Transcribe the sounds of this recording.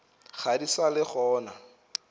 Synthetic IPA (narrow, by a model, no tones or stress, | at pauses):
χʰadisalɪχɔːna